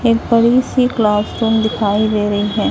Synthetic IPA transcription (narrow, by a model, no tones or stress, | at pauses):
eːk̚bɐɾisiklaːsʈoːmd̪ɪkʰaːid̪eːɾɐɦiɦɛ̃ː